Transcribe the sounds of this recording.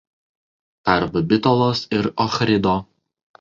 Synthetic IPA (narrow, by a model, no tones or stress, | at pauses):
pɐɾbɐbʲɪt̪ɔlˠoːsɪɾɔxɾʲɪd̪oː